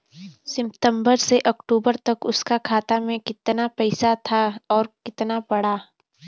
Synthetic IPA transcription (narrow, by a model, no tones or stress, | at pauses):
sɪ̃mpt̪ə̃mbəɾseʔɐkʈuːbəɾt̪ɐkʊskakʰaːt̪amẽkɪt̪napɛɪsat̪ʰaɔːɾkɪt̪napɐɽ̤aː